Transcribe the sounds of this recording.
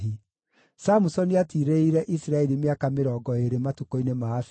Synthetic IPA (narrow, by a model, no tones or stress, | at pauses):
i | samusɔniatiɾeiɾɛʔisiɾaɛɾimeakameɾɔːɡɔeɾematukoinemaf